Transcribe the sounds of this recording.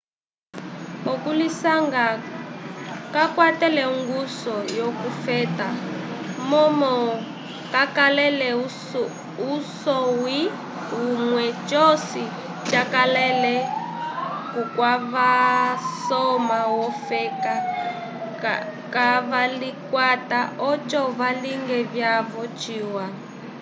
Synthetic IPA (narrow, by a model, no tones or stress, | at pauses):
ɔkulisaŋɡa | kakwatɛlɛuŋɡusɔjokufɛːtamɔmɔ | kakalɛlɛ | usɔwi | ɦumwɛt͡ʃɔsi | t͡ʃakalɛlɛ | kukwaβasɔmawɔfɛka | kaβalikwataɔt͡ʃʼɔβaliŋɡɛβjaβɔt͡ʃiːwa